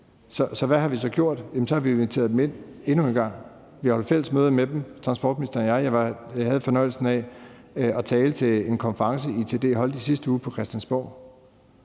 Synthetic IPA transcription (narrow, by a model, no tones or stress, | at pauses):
sɒ̽sɒ̽ʋæɦɑ̈ʋis̬ɒ̽ɡ̥jo̝ɐ̰d̥jem̩sɒ̽hɑ̈ʋienit͡sʰe̝ɐð̞ˠd̥eme̝n̰e̝nue̝nɡ̥ɑ̈ŋ̰ | ʋihɒld̥fel̰əsmøːð̞ˠɐmed̥em̩t͡sʰʁɑ̈nsb̥ɒ̰ːd̥minisd̥ɐnjɑ̈ɪjɑhæð̞̩ˠfɒ̽nɒ̽ɪl̩sn̩ɛ | ɒt͡sʰɛːlət͡sʰe̝le̝nkʰɒ̽nfəʁɑ̈ŋsəit͡sʰe̝ːd̥e̝̰ːɦɒ̽l̰d̥isisd̥əuːpʰɒ̽kʰʁɛsd̥jænsb̥ɒʊ̰